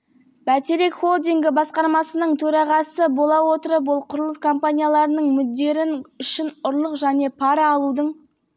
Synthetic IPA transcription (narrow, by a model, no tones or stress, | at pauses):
b̥æt̪eɾe̞kχo̞lˠd̪iŋɡʲɪbɑsqɑɾmɑsənəɴt̪ʰɵɾɑʁɑsəbo̞lˠɑwo̞t̪əɾəpbʊlˠqʰʊɾəlˠəskʰo̞mpanʲijalˠɑɾənəɴmʏd̪ːe̞ɾɪnʏʃɪnʊɾlˠəqʒæne̞pʰɑɾɑːlˠud̪əɴ